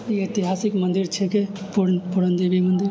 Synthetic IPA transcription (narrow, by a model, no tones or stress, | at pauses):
iet̪iɦaːsɪkmənd̪iɾt͡ʃʰekepupuɾənd̪ebimənd̪ɪɾ